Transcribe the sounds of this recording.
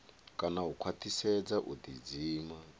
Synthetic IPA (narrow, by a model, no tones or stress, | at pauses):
kʼanaɦukʰwat̪ʰisɛd͡zaʔud̪id͡ziːma